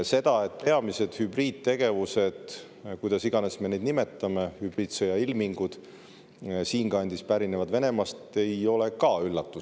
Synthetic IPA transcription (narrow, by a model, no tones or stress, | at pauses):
se̞d̪̥ɑe̞t̪pe̞ɑmise̞d̪̥hybriːd̪̥̚t̪e̞ɡ̥e̞vuse̞d̪̥ | kujd̪̥ɑsiɡ̥ɑne̞sme̞ned̪nime̞t̪ːˑɑmehyb̥ɾiːd̪sejɑilmiŋɡ̥ud̪̥ | siːŋɡ̥ɑɑnʲd̪̥ispæɾinevɑd̪ve̞ne̞mɑst̪e̞jo̞le̞kɑylːɑt̪ːu